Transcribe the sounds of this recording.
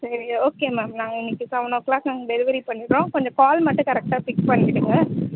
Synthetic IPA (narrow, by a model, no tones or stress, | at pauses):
sɐɾioːkeːmaːmnãːŋɡɐɪnːɪkːɯsɐʋɐnõːklaːsɐŋɡɐɖɛðɯʋɐɾipɐɳːɪʈɾõːkɔɲd͡ʒɐ̃kaːlmɐʈːɯ̃kɐɾɛk̚ʈaːpɪkpɐɳːɪɽɯŋɡɐ